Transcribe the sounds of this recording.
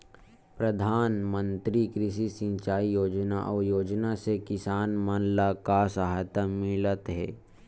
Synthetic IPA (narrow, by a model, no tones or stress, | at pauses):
pɾəd̪ʱaːnmə̃nt̪ɾikɾɪʃisɪ̃nt͡ʃaːijoːd͡ʒnaʔɔːɾjoːd͡ʒnasekɪsaːnmənlakasaɦt̪əmɪlət̪ɦɛː